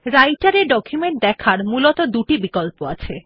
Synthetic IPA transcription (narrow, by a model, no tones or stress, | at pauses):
ɾajʈaɾeɾɖɔkʰjumeɳʈ̚d̪ɛkʰaɾmulot̪od̪uʈibikolpoa̰t͡ɕʰe